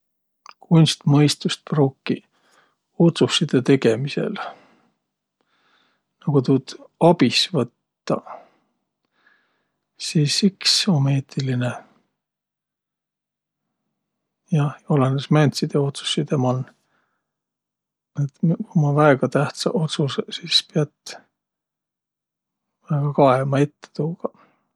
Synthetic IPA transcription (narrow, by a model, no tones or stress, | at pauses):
kunʲst̪mɤjst̪ust̪̚proːkːi | ot̪susːid̪̥et̪e̞ɡ̥e̞mise̞̰l | nɑɡ̥ut̪ud̪̥ɑb̥isvɤt̪ːɑ̰ | siːsikso̞me̞ːt̪iline̞ | jɑolenesmænʲt̪sid̪̥eo̞t̪su̥sːid̪emɑn | et̪kumɑvæeɡ̥ɑt̪æht̪sɑʔo̞t̪susesispeɑt̪ | væeɡ̥ɑkɑemɑet̪ːe̥t̪uːɡ̥ɑ